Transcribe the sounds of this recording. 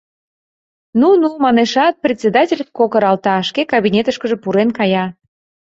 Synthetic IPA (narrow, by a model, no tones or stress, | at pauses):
nunumɑneʃɑt̪̚prʲet̪ʲsʲed̪ɑtʲelʲət̪̚kokəɾɑlt̪ɑʃkekɑβinʲet̪əʃkə̆ʒepuɾenkɑjɑ